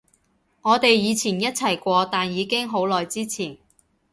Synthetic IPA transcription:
ŋɔː˨˧t̪e˨jjiː˨˧t͡sʰiː˨˩njɐ˥t̚t͡sʰɐ˨˩jkʷɔː˧t̪aː˨njiː˨˧kɪ˥ŋɦo˨˥wlɔː˨jt͡siː˥t͡sʰiː˨˩n

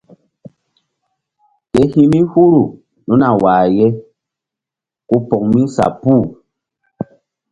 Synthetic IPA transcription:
kɛ˨hĩ˦mi˦hu˦ɾu˨ | nu˦na˨waː˨jɛ˦ | ku˦pɔ˨k̚mĩ˦sa̰˨puː˦˨

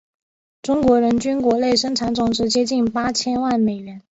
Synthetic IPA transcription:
ʈ͡ʂʊ˥ŋkwɔ˧˥ɻə˧˥nt͡ɕy˥nkwɔ˧˥le˥˩ɪʂɤ˥ŋʈ͡ʂʰa˧˥nt͡sʊ˧˥ŋʈ͡ʂɻ̩˧˥t͡ɕjɛ˥t͡ɕi˥˩npa˥t͡ɕʰjɛ˥nwa˥˩nme˨˩ɪɥɛ˧˥n

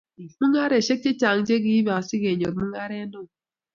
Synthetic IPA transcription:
mu˦ŋa˦ɾe˨ʃe˦k̚t͡ʃe˦t͡ʃa˨ŋ̩˨˦d͡ʒe˦ɡi˦ba˨ɔ˨si˦ɣe˨ɲo˨bmu˦ŋa˦ɾe˦nʊ˦˨

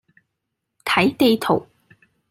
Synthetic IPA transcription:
t̪ʰɐ˨˥jt̪e˧t̪ʰo˨˩w

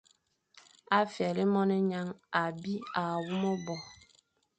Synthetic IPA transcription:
a˦fjɛ˨li˦mɔ˦ne˦ɲa˦ŋa˨bi˦a˨wu˦mɔ˦bɔ˨

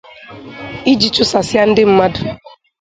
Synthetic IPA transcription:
i˦d͡ʒi˨t͡ʃʊ˦sa˨sja˦n̩˦dɪ˦m̩˦ma˦dʊ˨

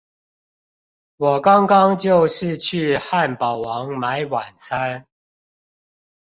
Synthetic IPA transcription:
wɔ˨˩kɑ˦ŋkɑ˦ŋt͡ɕjo˥˨ʊʂɻ̩˥˨t͡ɕʰy˥˨xa˥˨npɑ˨˩ʊwɑ˨˦ŋma˨˦ɪwa˨˩nt͡sʰa˦n

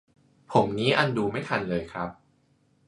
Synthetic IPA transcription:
pʰo˨˩˦mniː˦˥ʔa˧nduː˧ma˥˩jt̪ʰa˧nlɤː˧jkʰɾa˦˥p̚

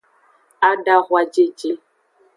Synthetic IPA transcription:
a˦da˦ɣwa˨d͡ʒe˦d͡ʒe˦

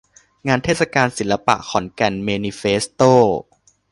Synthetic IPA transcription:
ŋaː˧nt̪ʰeː˥˩sa˧kaː˧nsi˨˩˦nla˧pa̰˨˩ʔkʰɔ˩˦nkɛ˧˩nmeː˧niː˧feː˦˥st̪oː˥˩

